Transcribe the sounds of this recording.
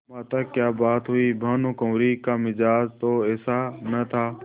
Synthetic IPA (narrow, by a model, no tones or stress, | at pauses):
mãːt̪aːkjaːbaːt̪ɦuiːbʱãːnõːkõːɾiːkaːmɪd͡ʒaːd͡ʒt̪oːɛːsaːnət̪ʰaː